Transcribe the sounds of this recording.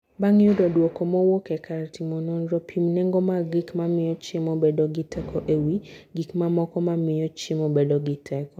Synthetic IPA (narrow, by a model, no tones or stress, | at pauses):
baŋjʊdɔdwokɔmɔwokɛkʰaɾtimɔnɔnɾɔpʰimnɛŋɡɔmaɡikmamɪjɔt͡ʃɪmɔbedɔɡɪtʰɛkʰɔʔewiɡikmamɔkɔmamɪjɔt͡ʃɪmɔbedɔɡɪtʰɛkɔ